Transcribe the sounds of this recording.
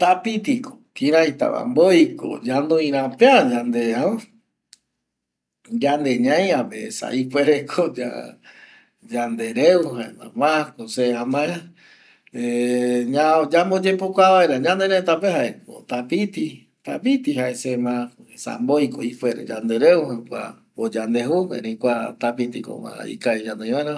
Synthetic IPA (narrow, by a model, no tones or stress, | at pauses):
t̪apit̪iko̥kĩɾãĩt̪a̰βa̰mbojko̰d͡ʒand̪oĩɾãpead͡ʒãnd̪eaa | d͡ʒand̪eɲãj̃apesa̰ʔipweɾekʰod͡ʒa̰ | d͡ʒand̪eɾeuɦaemãmãkoseamãa | eɲãd͡ʒambod͡ʒepokʷaβaeɾaɲãnd̪eɾẽt̪apeɦaeko̰t̪apit̪i | t̪apit̪iɦaesemãkoesa̰mbojkoipʷeɾḛd͡ʒand̪eɾeuhakʷa̰ | od͡ʒand̪eɦuḛ̃ɾẽkʷat̪apit̪iko̰mã̰ḭkaid͡ʒand̪õj̃βaeɾa